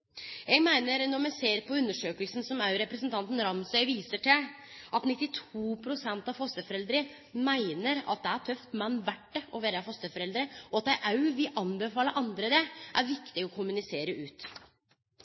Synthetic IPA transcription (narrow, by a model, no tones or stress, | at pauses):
jeɡmæɪnəɾnɔmɛseːɾpɔʉnːəʂøːkəlsn̩sɔmɑʉɾɛpɾəsənt̪ɑnt̪n̩ɾɑmsœʏʋiːsəʈɪlʔɑt̪nɪt̪ːɪt̪ʰuːpʰɾʊsɛnt̪ɑfɔst̪əfɔɾɛld̪ɾə | mæɪnəɾɑ̰t̪̚d̪ɛæɾʈʰœft̪mɛnːʋæʈːəɔʋeːɾəɑfɔst̪əfɔɾɛld̪ɾəɔɑt̪̚d̪æɪʔɑʉʋɪlʔɑnbəfɑːləʔɑnd̪ɾəd̪ɛʔæɾʋɪkt̪ɪɔkʰʊmʉnɪseːɾəʉːt̪